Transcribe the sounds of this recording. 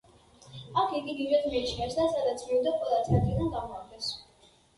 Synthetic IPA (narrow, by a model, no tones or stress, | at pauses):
akʰiɡiɡ̪ivɛd̪miːʃnɛsd̪asad̪at̪sʰmiud̪akʼwɛlˠat̪sʰaɾd̪ʰinanɡamɔaɾɡ̪ɛs